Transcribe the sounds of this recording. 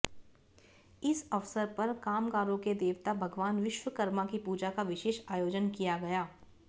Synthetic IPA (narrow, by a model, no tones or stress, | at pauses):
ɪsɐʋsəɾpɐɾkaːmkaːɾõked̪eːʋt̪abʱɐɡʋaːnʋɪʃʋəkɐɾmakipuːd͡ʒakaʋɪʃeːʃaːjoːd͡ʒənkijaɡɐjaː